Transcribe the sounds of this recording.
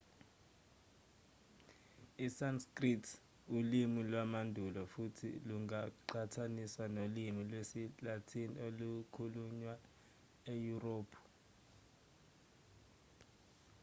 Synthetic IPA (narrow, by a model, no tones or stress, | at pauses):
isanskritʰ | ulimilwamandʱulɔfutʰḭluŋaǃatʰaniswanolimilwesilatʰinḭolukʰuluɲwa | ejuroːpʰu̥